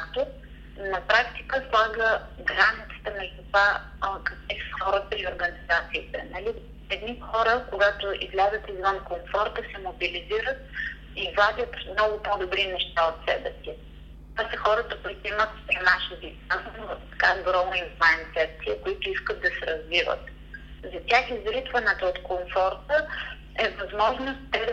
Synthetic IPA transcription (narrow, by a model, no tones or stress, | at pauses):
kakt̪o | nɐpɾakt̪i̥kəslˠaɡə | ɡɾanʲit̪sə̥t̪ənɛʒt̪va | kəkvifxɔɾət̪əioɾɡənizat̪siːt̪ɛ̰nɐli | ɛd̪nixɔɾəkoɡat̪oḭzlʲazət̪izvənkomfɔɾt̪əsɛmobiliziɾət̪̚ | ivad̪ʲət̪mnɔɡʊpɔd̪obɾinɛʃt̪aot̪sɛbɛsi | t̪asɛxɔɾət̪əkoit̪oimət̪st̪ɾɐmaʃzi | anntt̪ɐ̥kaɡɾɔməint̪lˠaɛnt̪sɛbɛsiəkoit̪ʊiskət̪̚d̪ɐsɛɾɐzvivə̰t̪ | zɐtʲaxizɾit̪vɐnɛt̪oot̪komfɔɾt̪ə | ɛvɐzmɔʒnʊstt̪ːɛd̪